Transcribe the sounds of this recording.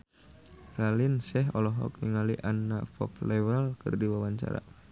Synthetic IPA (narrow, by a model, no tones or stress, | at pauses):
ralɪnsɛɦɔlɔɦɔ̰k̚niŋaliʔanːafɔ̰flɛwɛlkɨrdiwawaɲt͡ʃa̰ɾa̰